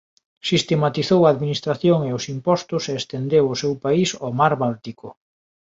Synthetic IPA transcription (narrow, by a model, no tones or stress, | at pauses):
sist̪emat̪iθowaːðminist̪ɾaθjoŋeʊsimpɔst̪ʊseːst̪end̪ewʊsewpaisomaɾβalt̪ikʊ